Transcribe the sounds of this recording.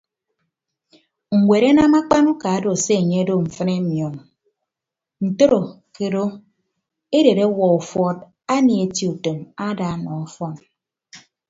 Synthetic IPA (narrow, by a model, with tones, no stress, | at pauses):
ŋ̩˨wʷe˨ɾe˦na˦ma˦k͡pa˦nu˦ka˨a˦do˨se˦e˨ɲe˦do˦ɱ̩˨fɨ˦ne˦mjɔ˨ŋ | n̩˨to˦ɾo˨ | ke˨ɾo˦ | e˦de˨ɾe˦wɔ˨u˨fɔ˦t̚ | a˦ni˨e˨ti˨u˨to˨ma˦da˨a˦˨nɔ˨ɔ˦fɔ˦˨n